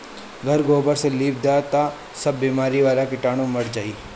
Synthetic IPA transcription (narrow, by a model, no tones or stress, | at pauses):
ɡʱɐɾɡoːbəɾseliːb̚d̪at̪a | sɐbːiːmaːɾiʋaːlakɪʈaːɽ̃ũmɐɽd͡ʒaːiː